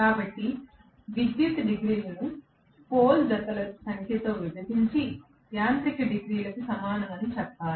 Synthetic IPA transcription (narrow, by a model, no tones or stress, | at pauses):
kaːbɐʈːi | ʋid̪jut̪ɖiɡɾiːlɐnu | poːld̪ɐt̪ɐlɐsɐŋkʰet̪oːʋjubʱɐd̪iɲt͡ʃi | sjaːnt̪ikɐɖiɡɾiːlɐkusɐmaːnɐmɐnit͡ʃɛpːaːɾu